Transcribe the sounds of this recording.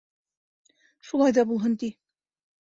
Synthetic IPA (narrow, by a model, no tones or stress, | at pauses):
ʃulˠɑjðɑbulˠɦɤnt̪i